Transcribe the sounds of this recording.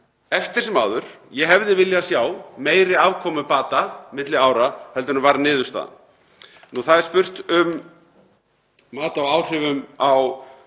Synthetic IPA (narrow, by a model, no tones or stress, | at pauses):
ɛft̪ɪ̥sɛmaːwðʏɾ̥jɛɦɛvðɪvɪljasjaːwmeːjɾɪaːvkʰɔːmʏpaːt̪amɪt̪lɪaːwɾahœlt̪ʏnʏmvaɾnɪːðʏ̥st̪a̰n | nuθaðɛɾ̥spʏr̥t̪ʏm | maːt̪aoawr̥ɪvʏmaw